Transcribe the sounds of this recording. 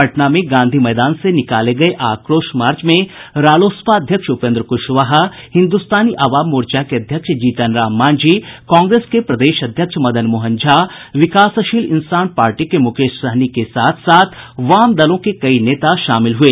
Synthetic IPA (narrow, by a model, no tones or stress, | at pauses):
ɐʈnamẽɡãːnd̪ʱimɛːd̪aːnsenɪkaːleɡɐeʔaːkɾoːʃmaːɾt͡ʃmẽɾaːloːspaəd̪ʱjəkʃʊpẽːnd̪ɾəkʊʃʋaɦahɪ̃nd̪ust̪aːniʔaːʋaːmːoːɾt͡ʃakeɐd̪ʱjəkʃd͡ʒiːt̪ənɾaːmːaːnd͡ʒiːkɔ̃ːŋɡɾeːskepɾɐd̪eːʃɐd̪ʱjəkʃmɐd̪ənmʊɦə̃nd͡ʒʱaʋɪkaːsɐʃiːlɪ̰nsaːnpaːɾʈikemʊkeːʃsəɦnikesaːt̪ʰsaːt̪ʰʋaːmd̪ɐlõkekɐineːt̪aʃaːmɪlɦueː